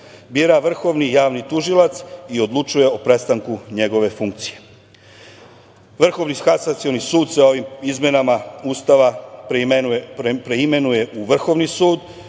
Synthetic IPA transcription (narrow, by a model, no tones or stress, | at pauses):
biɾaʋr̩xo̞ʋnijaːʋnit̪uʒilat̪sio̞d̪lˠut͡ʃuje̞opɾe̞st̪aŋkuɲe̞ɡo̞ʋe̞fuŋk̚t̪sije̞ | ʋr̩xo̞ʋnixasat̪sio̞nisuːd̪seo̞ʋimizmʲjenamaust̪aʋa | pɾeime̞nuje̞ʔuʋr̩xo̞ʋnisuːd̪